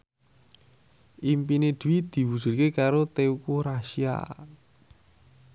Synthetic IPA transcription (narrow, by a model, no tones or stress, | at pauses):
ʔimpined̪̥ṳwid̪̥i̤wud̥ʒ̥ṳlkekaɾot̪eukuɾaʃia̰